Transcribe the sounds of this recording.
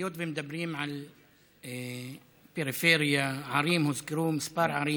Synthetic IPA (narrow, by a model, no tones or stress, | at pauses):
joːt̪bimd̪abɾiːmʕal | peɾɪfeːɾjaʕɑɾiːmhʊzkɾuːmspɑːɾʕɑɾˤiː